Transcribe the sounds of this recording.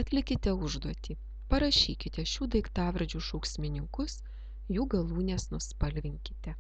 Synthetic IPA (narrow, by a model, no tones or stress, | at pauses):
ɐt̪ʲlʲɪkʲɪt̪ʲɛʊʒd̪uɔt̪ʲiː | pɐɾɐʃʲiːkʲɪt̪ʲɛʃʲuːd̪ɐɪkt̪ɑːʋʲɾɐd͡ʒʲuːʃuːksʲmʲɪnʲɪŋkʊs | juːɡɐlˠuːnʲesnʊspɐlʲʋʲɪŋʲkʲɪ̥t̪ʲɛ